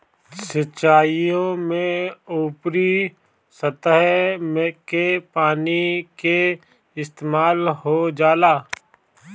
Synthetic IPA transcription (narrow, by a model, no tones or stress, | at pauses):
səʃaːijõmẽuːpɾi | sət̪əɦmẽkepaːnike | ɪst̪eːmaːlɦod͡ʒaːlaː